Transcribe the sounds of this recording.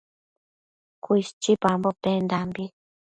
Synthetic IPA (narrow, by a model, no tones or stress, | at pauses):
kʷist͡ʃipambopend̪ambi